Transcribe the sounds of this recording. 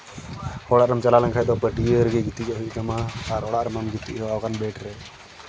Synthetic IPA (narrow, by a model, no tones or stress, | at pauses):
hɔɽaʔɾamt͡ʃalalaŋkʰajt̪ɔpəʈiəɾɡɛɡit̪ikɔɦuʔkamaːɾɔɽaʔɾamamɡit̪ːḭʔɦɔwakanbɛʈɾɛ